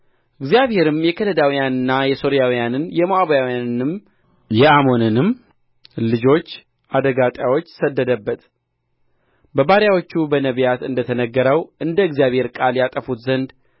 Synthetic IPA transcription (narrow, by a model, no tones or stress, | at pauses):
ʔɨɡzijaβhe̞ɾɨmjɛkʰənəd̪awijanɨnːajɛso̞ɾijawijanɨnjɛmoaβjawijanɨnɨm | jɛamo̞nɨnɨm | lɨd͡ʒo̞t͡ʃː | ʔad̪əɡat̪ʼjawo̞t͡ʃːsəd̪ːəd̪əbːət̪ | bəbaɾjawo̞t͡ʃːubənəβjat̪ɨnd̪ət̪ʰənəɡːəɾəwʔɨnd̪əɨɡzijaβhe̞ɾkʼaljat̪ʼəfut̪zənd̪